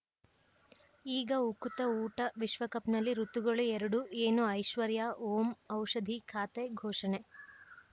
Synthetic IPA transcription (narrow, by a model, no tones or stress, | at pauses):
iːɡɐukut̪ɐuːʈɐʋiʃʋɐkɐpnɐlːiɾut̪ːuɡɐɭuɛɾɐɽueːnuɐjʃʋɐɾjaoːmɐwʂɐd̪ʱikʰaːt̪eɡʱoːʂɐne